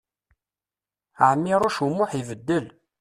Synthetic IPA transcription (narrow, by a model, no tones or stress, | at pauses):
ʕmːiɾˤʊʃumːʊħivəd̪ːəl